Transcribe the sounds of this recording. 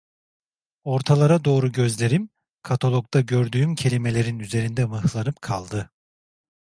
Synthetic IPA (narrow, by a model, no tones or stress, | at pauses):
o̞ɾt̪ʰalˠaɾad̪o̞ːɾuɟø̞zlʲe̞ɾim | kʰat̪ʰolˠok̚t̪aɟø̞ɾd̪yːymcʰe̞lʲime̞lʲe̞ɾinyze̞ɾind̪ɛmɯhlˠanɯpkʰalˠd̪ɯ